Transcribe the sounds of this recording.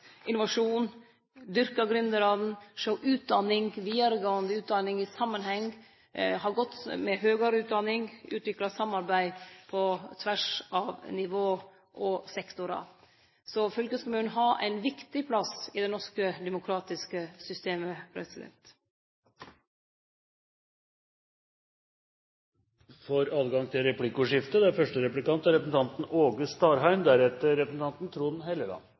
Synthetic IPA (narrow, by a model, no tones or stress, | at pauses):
ʔɪnʊʋɑʂuːn | d̪ʏɾkɑɡɾʏnd̪əɾɑːd̪n̩ʂəʊʔʉːt̪̚d̪ɑnːɪŋʋiːəɾəɡoənd̪əʉːt̪̚d̪ɑnɪŋɪsɑmːənɦɛŋ | hɑɾɡɔt̪ːmɛɦøːɡɑɾʉːt̪̚d̪ɑnːɪŋʉ̰ːt̪ʋɪklɑsɑmːɑɾbæɪpʰɔt̪ʰʋæʂɑʋnɪʋoː | ʔɔsɛkt̪ʊɾɑ̰ | sɔfœlkəskʊmʉːnnɦɑʔæ̰ɪnʋɪkt̪ɪpʰlɑsɪd̪ɛnɔʂkəd̪ɛmʊkʰɾɑːt̪ɪskəsʏst̪eːməpʰɾɛ̰sɪlɛ̰t̪ | fɔɾɑːd̪ɡɑŋt̪ʰɪlɾɛplɪkʊʂɪft̪əd̪æɾfœʂʈəɾɛplɪkɑnt̪æɾɛpəsn̩t̪ʰɑnt̪n̩oːɡəst̪ɑːɾɦæɪmd̪æɾɛt̪əɾɛpɾəsn̩t̪ɑnt̪nt̪ʰɾuːnhɛləlɑ̰nː